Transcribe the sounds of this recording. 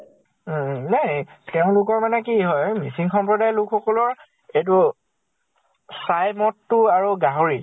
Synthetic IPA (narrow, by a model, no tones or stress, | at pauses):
nateʊ̃lʊkɔɹmanɛkiɦɔjmisiŋxɔmpɹɔdajlʊkxɔkɔlɔɹ | et̬u | sajmɔtːʊaɹuɡaɦoɹi